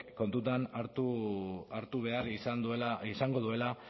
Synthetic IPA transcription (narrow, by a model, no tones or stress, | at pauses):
ko̞nt̪ut̪anaɾt̪uaɾt̪uβ̞e̞arisand̪uelaisaŋɡo̞ðue̞la